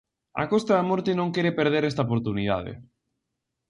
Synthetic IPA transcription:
a̰kost̪aðamɔɾt̪enõŋkeɾepeɾð̞eɾest̪aopoɾt̪uniða̰ðḛ

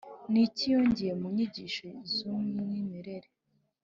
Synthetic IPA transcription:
nicijoːɲɟijemuɲiɟiʃoizumiinimiɾeɾe

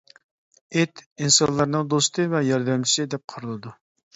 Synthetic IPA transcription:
et̪insɑnlˠɑɾnɨŋd̪ost̪ʰɨvɛjɑɾd̪ɛmt͡ʃʰi̥sɪd̪ɛp̚qʰəɾɨlˠɨd̪u

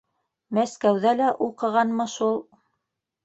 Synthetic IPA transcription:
mæskæwðælæʔuqɤ̆ʁɑnmɤʃulˠ

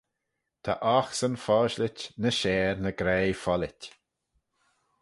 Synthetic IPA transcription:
t̪ʰa̰ʔaxsənfɔːʃlɪt͡ʃnəʃɛːɾnəɡɾeːfɔlɪtʲ

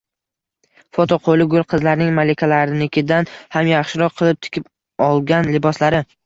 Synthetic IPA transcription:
fot̪ʰoqʰolˠɪɡʊlˠqʰɨzlaɾnɪŋmalɪkʲʰalaɾɪnɪkʲʰɪd̪anhamjaχʃɪɾɒqʰɨlˠɪp̚t̪ʰɪ̥kʲʰɪp | ɒlˠɡʲanlɪbɒslaɾɪ

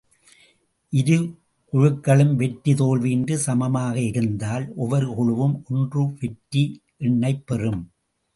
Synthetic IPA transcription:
ʔɪɾɯ | kʊɻɯkːɐɭɯmʋɛʈːit̪oːɭʋiːndɯsɐmɐmaːɣɐɪɾɯnd̪aːlʔɔʋɐɾɯkʊɻɯʋɯmɔndrɯʋɛʈːi | ʔɛɳːɐɪpːɛrɯm

